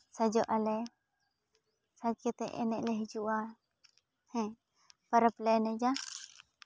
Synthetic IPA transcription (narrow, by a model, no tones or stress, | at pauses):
səd͡ʒɔʔalɛ | sad͡ʒət̪ɛ̰ʔɛ̰nɛʔlɛɦid͡ʒuʔa | hɛ̃ | pəɾəplɛnɛd͡ʒa